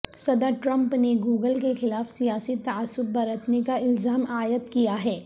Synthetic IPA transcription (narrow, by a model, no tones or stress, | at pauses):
sɐd̪əɾʈɾɐ̃mpneɡuːɡəlkexɪlaːfsijaːsit̪ɐasːʊb̚ːɐɾət̪nekaɪlzaːmaːjət̪kijaɦɛː